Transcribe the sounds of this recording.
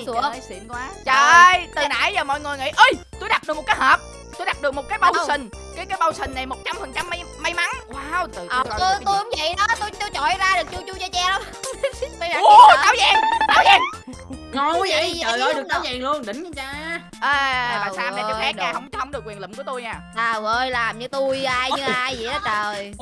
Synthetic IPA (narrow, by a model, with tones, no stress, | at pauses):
ḭ˧˨˩nkwaː˨˦t͡ɕəː˨˩˨jt̪ɨ˨˩na̰˧˩jzəː˨˩mɔ̰˧˨jŋɨ˨˩əjŋḭ˧˨ʔə˧jt̪u˧jɗa˨˩t̚ɗɨ˨˩k̚o˨˩t̚kːjhəː˨˩p̚ | t̪u˧jɗa˨˩t̚ɗɨ˨˩ək̚mo˨˩t̚kaː˨˦jɓa˧wssï˨˩ŋ̟ | kaː˨˦jkaː˨˦jɓa˧wsï˨˩ŋ̟na˨˩jmo˨˩t̚t͡ɕa˧mfə˨˩ŋt͡ɕa˧mːa˧jma˧˦jma˨˦nwaː˨˧wt̪ɨː˨˩˧o˧t̪u˧jhʊ˨˦ŋ͡mvə̰˧˨jɗɔ˨˦t̪o˧jt̪u˧jt͡ɕɔ˧˨jzaː˧ɗɨ˨˩k̚t͡ɕu˧t͡ɕu˧zɔ˧t͡ɕɛ˧lə˨˧˦ | ma˨˧j̪aː˨˦wzɛː˨˩ŋt̪aː˨˦wzɛː˨˩ŋ˨˧ | i˨˧i˨˩əː˨˩jɨ˨˩aː˨˦wzɛː˨˩ŋlu˧ənɗï˧˨˩ŋ̟˧t͡ɕaː˧ | ʔaː˨˩˨vaː˨˩saː˧ma˨˧t͡ɕɔ˧wfɛ˦˥ɲaː˨˧˩hə˧wŋ͡mt͡ɕɔ˨˦hə˧ŋ͡mɗkwi˨˩ənlḭ˧˨ŋ͡mku˧˩ət̪u˧jɲaː˨˧˩t̪aː˨˩wʔəː˧jlaː˨˩mɲɨ˧t̪u˧jʔaː˧jɲɨ˧ʔaː˧jzḭ˨˧˨ʔaː˨˦t͡ɕəː˨˩˨j